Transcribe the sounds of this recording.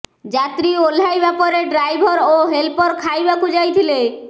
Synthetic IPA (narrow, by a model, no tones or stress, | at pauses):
d͡ʑat̪ɾiolajbɛpoɾeɖɾajbʱɔɾoɦelpɔɾkʰajbakud͡ʑajt̪ʰile